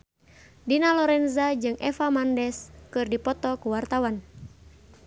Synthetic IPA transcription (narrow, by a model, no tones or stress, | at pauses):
dinalɔɾɛnzad͡ʒɨŋʔɛfamandɛskɨrdipɔt̪ɔkuwart̪awan